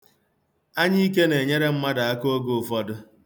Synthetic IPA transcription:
a˦ɲɪ˦i˦k̬e˦ne˨ɲe˦ɾe˦m̩˦ma˦da˨a˦ko˦ɡo˦ʊ˨fɔ˦dʊ˦

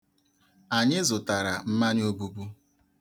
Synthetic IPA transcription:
a˨ɲɪ˦zʊ˨ta˨ɾa˨m̩˦ma˦ɲ˦o˦bu˦bu˦

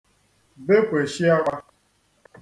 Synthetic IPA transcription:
be˦kʷe˨ʃi˦a˦ɓa˦

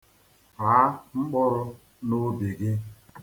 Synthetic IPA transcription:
ɦa˨˦ŋ͡m̩˦k͡pɔ˦ɾʊ˦ | no˦be˨ɡɪ˦

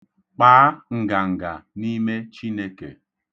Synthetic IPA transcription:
k͡paː˨˦ŋ̩˨ɡa˨ŋ̩˨ɡa̰˨ni˦me˦t͡ʃi˦ne˦ke˨

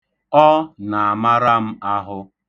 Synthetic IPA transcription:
ɔ˦na˨a˨ma˦ɾa˦m̩˦a˦ɦʊ˦

